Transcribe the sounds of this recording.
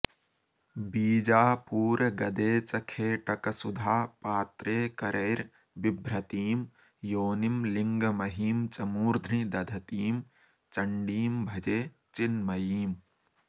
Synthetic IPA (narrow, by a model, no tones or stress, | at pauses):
biːd͡ʒaːpuːɾɐɡɐd̪eːt͡ʃɐkʰeːʈɐkɐsʊd̪ʱaːpaːt̪ɾeːkɐɾʔeːɾ | bɪbʱɾɐt̪iːm | joːnimlɪŋɡmɐɦiːmt͡ʃɐmuːɾd̪ʱɾid̪ɐd̪ʱɐt̪iːm | t͡ʃɐɳɖiːmbʱɐd͡ʒeː | t͡ʃɪnmɐjiːm